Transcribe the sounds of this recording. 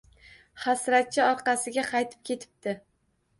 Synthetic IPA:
χasɾat̪̚t͡ʃʰːɪɒɾqɑsɪɡʲaqʰɑjt̪ʰɪ̥p̚kʲʰe̞t̪ʰɪ̥p̚t̪ɪ

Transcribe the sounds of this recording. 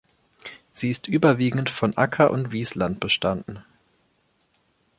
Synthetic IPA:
z̥iːɪstʔyːbɐviːɡŋ̩tfɔnʔakʰɐʔʊ̰ntv̥iːslant̚b̥əʃtandn̩

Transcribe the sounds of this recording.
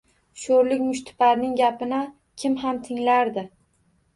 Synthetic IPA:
ʃoɾlɪkʲmʊʃt̪ʰɪ̥paɾnɪŋɡʲapɪnɪ | kʲʰɪmɦamt̪ʰɪŋlaɾd̪ɪ

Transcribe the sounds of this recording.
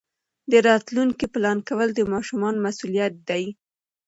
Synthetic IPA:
d̪əɾɑt̪luŋkiplɑnkawəld̪əmɑʃumɑnmasulijat̪̚d̪aj

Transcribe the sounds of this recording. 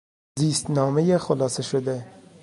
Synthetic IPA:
ziːst̪nɒːmejexolɒːseʃod̪e

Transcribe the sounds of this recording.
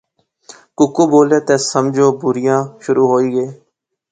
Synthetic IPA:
kʊkuːboːlẽːt̪ẽːsəmd͡ʒoːbʊɾɪjãːʃʊɾuːɦoːiːɡəeː

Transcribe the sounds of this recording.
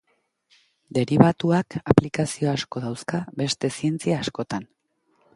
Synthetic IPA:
d̪e̞ɾiβat̪uakaplikasio̞asko̞ðawskaβe̞st̪e̞sie̞nt͡siaːsko̞t̪an

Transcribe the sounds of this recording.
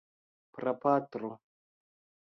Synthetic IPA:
pɾapaːt̪ɾo

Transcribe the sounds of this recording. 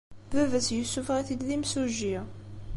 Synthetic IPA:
bævæsjəsːufʁiθid̪ðimsuʒi

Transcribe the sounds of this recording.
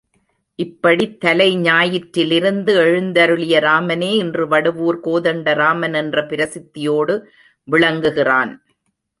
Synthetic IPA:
ʔɪpːɐɽit̪ːɐlɐɪɲaːjɪʈɾɪlɪɾɯnd̪ɯɛɻɯnd̪ɐɾɯɭɪjɐɾaːmɐneːɪndrɯʋɐɽɯʋuːɾkoːðɐɳɖɐɾaːmɐnɛndrɐpɪɾɐsɪt̪ːɪjoːɽɯ | ʋɪɭɐŋɡɯɣɪraːn

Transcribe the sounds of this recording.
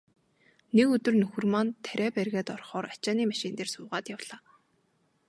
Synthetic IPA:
nekɵt̪ɵ̆rnɵxɵ̆rmant̪ʰːæɾʲæːpærɣæːt̪ɔrχɔːɾat͡ɕaːniːmaʃɪ̆nt̪eːrsʊːʁaːt̪jawɮ̥aː

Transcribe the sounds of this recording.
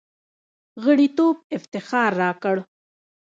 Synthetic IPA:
ɣəɽit̪oːb̚ɪft̪ɪxɑːɾːɑːkəɽ

